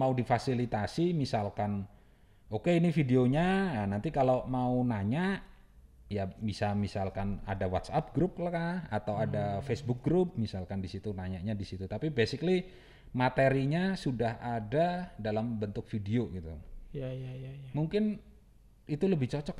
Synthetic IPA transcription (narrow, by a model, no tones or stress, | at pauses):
maudifasilit̪asimisalkan | okeinifideoɲaanant̪ikalomaunaɲaʔ | jabisamisalkana̰dawa̰t̪sap̚ɡɾup̚klakaa̰t̪awadafesbʊk̚ɡɾup̚misalkandisit̪unaɲaʔɲadisit̪ut̪apibesɪkli | mat̪eɾiɲasudahadadalambənt̪ʊk̚fidioɡit̪ujajajamuŋkɪn | it̪uləbɪht͡ʃɔt͡ʃɔk